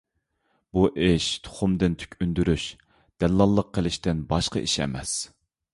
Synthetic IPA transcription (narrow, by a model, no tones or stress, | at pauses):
buʔɪʃt̪ʰo̥χʊmd̪ɨnt̪ʰy̥kʲynd̪yɾyʃ | d̪̥ɛllːɑlˠːəq̚ʰːəlɪʃt̪ɪnbɑʃqəʔiʃɛ̰mɛ̰s